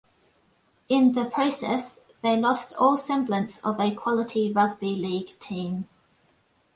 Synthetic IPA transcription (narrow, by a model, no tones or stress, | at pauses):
ɪ̃nðəpʰɹ̥əʊsɛ̰s | ðeɪlɒstʰɔːlˠsɛ̃mblə̃nsə̰vəkʰw̥ɒlɪtʰiɹʌɡ̚biliːɡ̥tʰĩːm